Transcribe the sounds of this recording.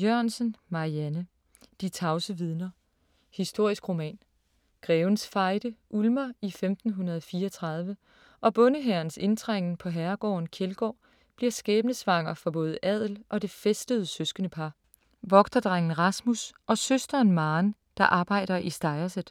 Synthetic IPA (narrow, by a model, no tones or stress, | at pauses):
jɶɐ̰nsənmɑ̈ʁiænə | d̥it͡sʰɑ̈ʊsəʋið̞ˠnɐ | hisd̥o̝ɐ̰isɡ̥ʁo̝mɛ̰ːn | ɡ̥ʁɛːʊnsfɑ̈ɪd̥əʔulmɐifemd̥n̩ɦunɐð̞ˠɒfiːɒt͡sʰʁɑ̈ð̞ˠʋə | ʔɒ̽b̥ɔ̽nəɦæɐnse̝nd̥ʰʁaŋ̰n̩pʰɒ̽ɦæɐɡ̥ɒ̰ːnkʰelɡ̥ɒ̰ː | b̥liɐ̰sɡ̥ɛːb̥nəsʋɑ̈ŋ̰ɐfɒ̽b̥ɔ̽ːð̞̩ˠʔɛð̞̰ˠl̩ʔɒ̽d̥e̝fesd̥əð̞̩ˠsøsɡ̥ənəpʰɑ̈ | ʋɒ̽ɡ̥d̥ɐd̥ʁaŋ̰n̩ʁɑsmusʔɒ̽søsd̥ɐːnmɑːn | d̥ɑ̈ʔɑ̈ːb̥ɑ̈ɪ̰ɾ̥ɐʔisd̥ɑ̈ɪɐsəð̩ˠ